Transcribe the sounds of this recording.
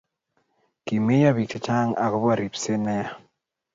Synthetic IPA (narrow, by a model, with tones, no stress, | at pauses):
ki˨me˦ja˦βi˨k̚te˨t͡ʃa˦ŋa˨kɔ˦bwa˦˨ɾi˨pse˦nɛ˦a˦